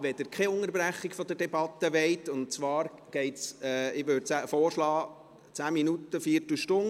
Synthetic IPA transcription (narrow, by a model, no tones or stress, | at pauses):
ʋɛd̥̪ɪɾkʰɛʊŋəɾbræχːikfɔd̥̪ədɛbɑt̪ːəʋɛɪt̪ʊntt͡sʋɑːɾɡ̥ɛɪtsɛɪʋøːdt͡sæfɔːrʃlɑː | t͡sæːminut̪əfiətlʃtʊn